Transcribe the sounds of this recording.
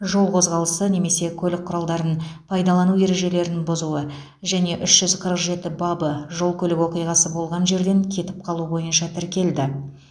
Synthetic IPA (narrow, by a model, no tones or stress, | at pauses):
ʒo̞lˠqʰo̞zʁɑlˠəsəne̞me̞se̞kʲʰɵlɪk̚qʰːʊɾɑlˠd̪ɑɾənpʰɑjd̪ɑlˠɑnuje̞ɾe̞ʒe̞le̞ɾɪnbʊzuə | ʒæne̞ʔʏʃʒ̥ʏzqʰəɾəqʒe̞t̪ɪbɑbəʒo̞lˠkʲʰɵlɪkwo̞qijʁɑsəbo̞lˠʁɑnʒe̞ɾd̪e̞ŋkʲʰe̞t̪ɪp̚qʰɑlˠubo̞jənʃɑt̪ʰɪɾkʲe̞ld̪ɪ